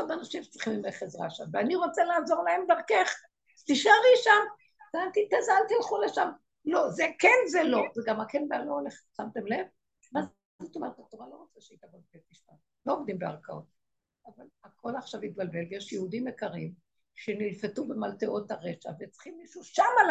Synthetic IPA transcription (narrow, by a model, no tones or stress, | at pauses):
odanaʃimʃe̥t͡sʁi̥χimimeχezʁa̰ʃa̰mveaniʁo̞t͡selaːzo̞ʁlaemd̪aʁkeχ | t̪iʃaʁiʃam | tant̪it̪azalt̪ilχuleʃam | lo̞zekenzelo̞zeɡamakenbaloːleχsamt̪emle̞v | maz | dut̪omalkat̪ovalo̞ʁot͡saʃeit̪abalbelt̪iʃan | lo̞ovd̪imbea̰ʁkao̰t̚ | avalakʰo̞laχʃavit̪̚balbe̞lvejeʃjehud̪imekaʁim | ʃenilfetubemalteʔo̞t̪aʁeʃa̰vet͡si̥χimːiʃuʃamal